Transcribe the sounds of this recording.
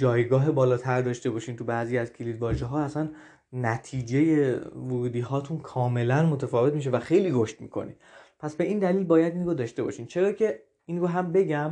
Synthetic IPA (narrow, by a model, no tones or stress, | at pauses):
d͡ʒɒːjɡɒːɦe̞bɒːlɒːt̪ʰæɾd̪ɒːʃt̪e̞bɒːʃiːnt̪ʰubæːziːæzcʰilid̪vɒːʒeɦɒːæsæn | næt̪ʰiːd͡ʒe̞je̞voɾuːd̪iːɦɒːt̪ʰunkʰɒːme̞lænmo̞t̪ʰæfɒːve̞t̪miʃevæxe̞jliːɾo̞ʃt̪miːkʰo̞̰nḭd̪̥pʰæsbe̞ʔiːnd̪æliːlbɒːjæd̪inrod̪ɒːʃt̪e̞bɒ̰ʃiːnt͡ʃʰe̞ɾɒːcʰe̞ | inɾoɦæmbe̞ɟæm